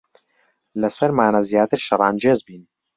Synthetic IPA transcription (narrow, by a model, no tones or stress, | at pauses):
lɐsɐɾmaːnazjaːt̪ɨɾʃɐɾˤɑːnd͡ʒeːzbiːn